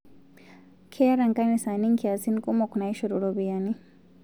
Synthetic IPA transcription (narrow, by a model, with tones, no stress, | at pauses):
kʰe˦ɾa˨ŋka˦ni˨sa˨ni˦ŋki˨a˨si˦nkʼɔ˦mo˨kna˨jʃɔ˨ɾu˨ɾo˨bi˨ja˨ni˦